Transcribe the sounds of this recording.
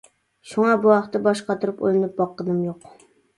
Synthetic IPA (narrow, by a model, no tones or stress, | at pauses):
ʃuŋɑbuɑχt̪ɨbɑʃqɑt̪ʰuɾupo̰jlˠɨnɨp̚bɑqːəd̪ɨmjoq